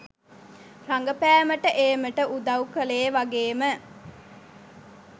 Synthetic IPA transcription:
raŋɡəpæːməʈəʔeːməʈəʔud̪ɐwkəleːʋaɡeːmə

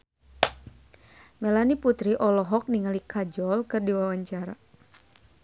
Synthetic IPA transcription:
mɛlaniput̪ɾiʔɔlɔɦɔk̚niŋalikad͡ʒɔlkɨrdiwawaɲt͡ʃaɾa

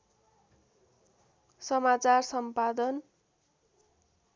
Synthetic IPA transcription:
sʌmat͡sarsʌmpad̪ʌn

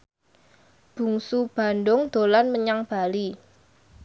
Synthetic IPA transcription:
b̥ṳŋsub̥a̤nɖʊŋd̪̥o̤lanməɲaŋb̥a̤li

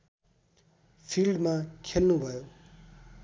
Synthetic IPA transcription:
pʰilɖmakʰelnubʱʌjo

